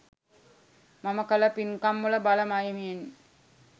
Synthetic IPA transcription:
maməkələpinkamːuləbaləmajimijen

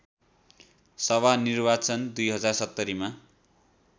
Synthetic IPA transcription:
sʌβanirbat͡sʌnd̪ujɦʌd͡zarsʌt̪ːʌɾima

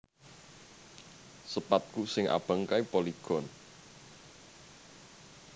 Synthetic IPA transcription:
səpat̪̚kusɪŋʔa̰b̥ə̤ŋkaipoliɡ̥ɔn

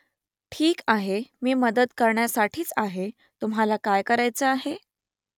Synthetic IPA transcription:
ʈʰiːkaɦemiːməd̪əd̪kəɾɳjasaʈʰiːt͡saɦe | t̪umɦalakajkəɾajt͡səaɦe

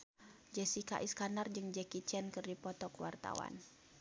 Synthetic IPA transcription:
d͡ʒɛsika̰ʔiskanard͡ʒɨŋd͡ʒɛkit͡ʃɛnkɨrdipɔt̪ɔkəwa̰rt̪a̰wa̰n

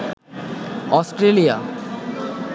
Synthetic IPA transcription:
ɔsʈɾelija̰

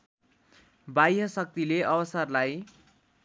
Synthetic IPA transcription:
bajɦʌsʌk̚t̪ileʔʌbʌsʌrlaj

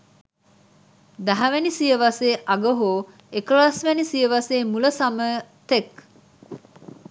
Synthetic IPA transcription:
d̪ɐɦɐʋenisijəʋɐseːʔɐɡəɦoː | eklaːsʋenisijəʋaseːmuləsɐməːt̪ek

